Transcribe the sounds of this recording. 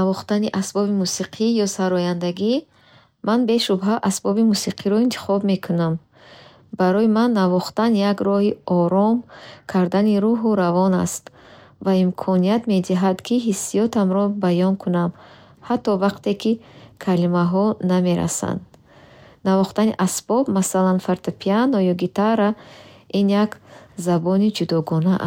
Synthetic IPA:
avɔχt̪aniʔasbɔbimusiqʰijɔsaɾɔjand̪aɡi | manbe̞ʃubɦaʔasbɔbimusiqʰiɾɔint̪ʰi̥χɔbme̞kʰunam | baɾɔimanːavɔχt̪anjaɡɾɔhiɔɾɔmkʰaɾd̪aniɾuɦuɾavɔna̰st̪ | vaimkʰɔniat̪me̞d̪iɦad̪kʰiɦisːijɔt̪ʰamɾɔbajɔŋkʰunam | hat̪ːɔvaqt̪e̞kʰikʰalimaɦɔname̞ɾa̰sa̰nd̪ | navɔχt̪aniʔasb̥ɔbmasalanfaɾt̪ʰapʰianɔjɔɡit̪aɾaʔinjakzabɔnid͡ʒud̪ɔɡɔnaʔ

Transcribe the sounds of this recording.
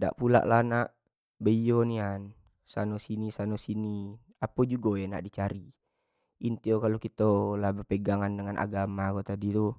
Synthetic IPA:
da̰ʔpula̰ʔlahnaʔ | bəijonian | sanɔsinisanosini | apod͡ʒuɡɔjana̰ʔdit͡ʃaɾi | ʔint̪iokalokit̪olabərpeɡaŋandəŋanʔa̰ɡamakot̪adit̪u

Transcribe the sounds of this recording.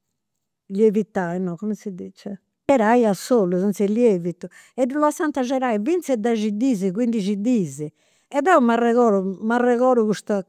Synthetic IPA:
ʎevit̪ːajnɔkɔmɛsid̪it͡ʃɛ | ɛɾajasːoluzɔnt̪sɛʎievit̪ːu | ɛd̪ulɔsant̪aʒɛɾaivint̪sɛd̪aʒid̪iːziɣwind̪id͡ʒid̪iːzi | ɛðɛumarɛɣɔːɾumarɛɣɔːɾuɣust̪a

